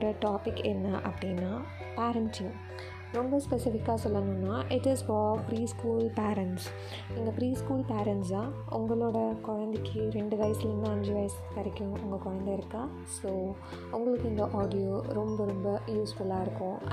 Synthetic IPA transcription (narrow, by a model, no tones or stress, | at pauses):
ɽɐʈaːpɪkːɛnːɐʔɐpːɐɽɪnːaː | paːɾɐɳsɪ̃ŋ | ɾɔmbɐspɛsɪfɪkːaːsɔlːɐnʊ̃nːaːʔɪʈɪzfɔːpɾiːskuːlpeːɾɛɳʈs | ɪnɡ̪ɐpɾiːskuːlpeːɾɐɳʈsaː | ʊŋɡɐɭoːɽɐkʊɻɐnd̪ɛkːɯɾɛɳɖɯʋɐjɐsɪlɾɯnd̪ɯɐɲd͡ʒɯʋɐjɐs | kɐɾɐkʲːʊ̃ʊŋɡɐkɔɻɐnd̪ɐɪɾɯkːãː | soː | ʊŋɡɐɭɯkːɪnd̪ɐʔaːɽɪjoːɾɔmbɐɾɔmbɐjuːsfʊɭaːɪɾɯkːʊ̃